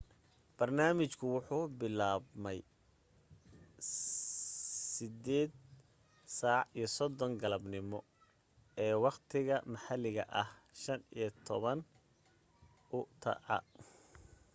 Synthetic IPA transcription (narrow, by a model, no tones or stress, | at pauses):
b̥ɐrnaːmɪt͡ʃkʰʊwʊħuːbɪlaːbmɛj | sɪd̪ɛːd̪ | saːʕijɞsɔd̪ɔŋɡɐlɐbnɪmɔ | ɛːwɑqt̪ʰɪɣɐmɐħalɪɣɐ̰ʔɐhʃɐnijɞt̪ʰɔβɐn | ʊt̪ʰɐ̰ʕɑ̰